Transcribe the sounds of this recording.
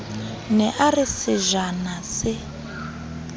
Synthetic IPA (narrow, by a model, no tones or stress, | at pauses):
nɛʔarisɪʒanasɪ